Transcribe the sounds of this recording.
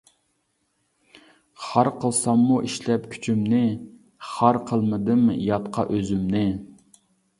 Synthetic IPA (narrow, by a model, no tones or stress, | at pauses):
χɑɾqʰəlˠsɑmːuʔiʃlɛpkʲʰy̥t͡ʃʰymnɪ | χɑɾqʰəlˠmɨd̪ɨmjɑt̪qʰɑ̰ʔøzymnɪ